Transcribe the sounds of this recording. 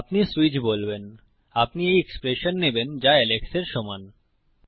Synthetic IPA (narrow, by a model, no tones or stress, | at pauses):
apnisuit͡ɕbolben | apniejekspɾeʃonːebend͡ʑaɛlekseɾʃɔman